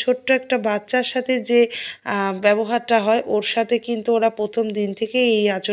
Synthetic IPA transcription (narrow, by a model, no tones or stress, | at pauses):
t͡ɕʰoʈːoɛk̚ʈabatːɕaɾʃat̪ʰed͡ʑe | bɛboɦaɾʈaɦɔeʔoɾʃat̪ʰekint̪uoɾapɾot̪ʰomd̪int̪ʰekeejat͡ɕo